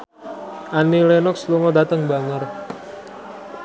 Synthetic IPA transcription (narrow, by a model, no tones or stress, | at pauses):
ʔanilenɔksluŋɔdat̪əŋbaŋər